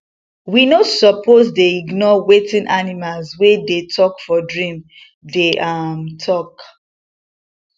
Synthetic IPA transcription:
winosɔpozdeiɡnɔwetĩnʔanimalzwedetʰɔkfɔdɹĩm | deʔamtʰɔk

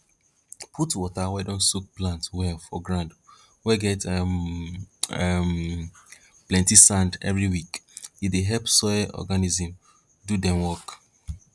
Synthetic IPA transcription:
pʰutwɔtawɛdõnsuk̚plãntwɛfɔɡɹãnd | wɛɡɛtɛ | ɛm | plɛ̃ntisãndɛ̰vɹiwikideɦɛlpsɔʔɔ̰ɡanizĩm | dudɛ̃mwɔk

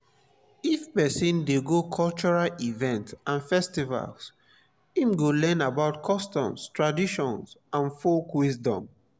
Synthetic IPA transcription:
ifpɛsĩndeɡokʰɔlt͡ʃɔɹalivɛ̃ntãnfɛstiva̰ls | ĩmɡolɛ̃nabaʊtkʰɔstɔ̃mstɹadiʃɔ̃nsãnfokwisdɔ̰̃m

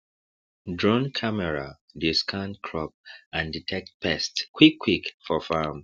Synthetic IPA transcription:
dɹɔ̃nkʰamɛɹa | diskʰãntkʰɹɔp̚ãnditʰɛk̚t̚pʰɛstkʰwikʰːwikfɔfam

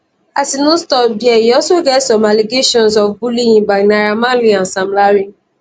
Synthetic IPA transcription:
asinũstɔbiɛiɔsoɡɛtsɔ̃maleɡeʃɔ̃nsɔfbulĩĩbanaɾamaliãnsãmlaɾi

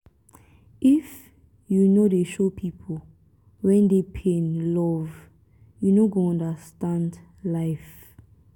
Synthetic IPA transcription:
ʔif | junodeʃopʰipʰɔ | wɛ̃ndepʰɛ̃nlɔv | junoɡoɔ̃ndəstãnd | lajf

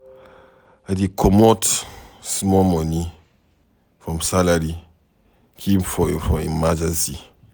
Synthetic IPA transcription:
adikʰɔmɔtsimɔmɔni | fɹɔ̃msalaɾi | kʰimfɔfɔ̃mḭ̃nmad͡ʒasi

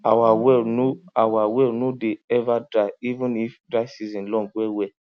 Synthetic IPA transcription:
awawɛnũawawɛnũdeɛvadɾaivũnifdɾajsizĩnlɔ̃ɡɛwɛ

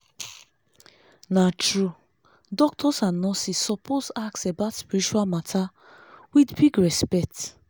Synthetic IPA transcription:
natɹu | dɔk̚tʰɔsãnɔsisɔposaksebatspiɾit͡ʃualmatʰa | widbiɡɹɛspɛk̚t

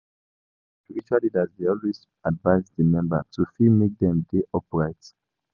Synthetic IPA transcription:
spiɹit͡ʃualidazdeɔlwez | advaɪsdəmɛ̃mbə̰tʰufimek̚dɛ̃mdeʔɔpɹaɪt

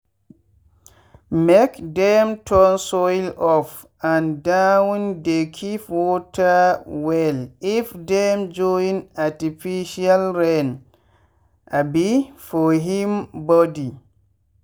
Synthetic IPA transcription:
mɛkdɛmtʰɔnsɔjlɔf | andawndekʰifwɔtawɛlifdɛmd͡ʒɔinatifiʃialɾɛn | ʔabifɔɦimbɔdi

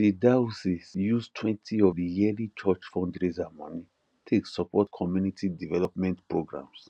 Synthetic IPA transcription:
didausisjustʰwɛ̃ntʰiɔvdijɛlit͡ʃɔt͡ʃfɔ̃ndɾezama̰ni | tʰeksɔpʰɔtkʰɔmjunitʰidivɛlɔpmɛ̃ntpɹoɡɹã̰ms

